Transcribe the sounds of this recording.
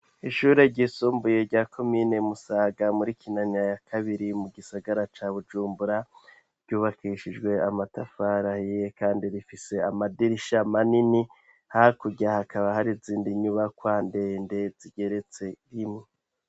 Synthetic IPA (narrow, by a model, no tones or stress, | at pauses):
iʃuːɾe̞ɟisuːmbuje̞ɾɟaːkʰo̞miːne̞musaːɡamuɾikʰinaɲajakʰaβiɾimuɡisaɡaɾat͡ʃaβud͡ʒuːmbuɾa | ɾɟuːβakʰiʃid͡ʒɡwe̞amatafaɾahijekaːndiɾifise̞amadiɾiʃamanini | haakuɟahakʰaβahaɾiziːndiɲuβakwaːnde̞ːnde̞ziɡe̞ɾe̞t͡se̞ɾimŋe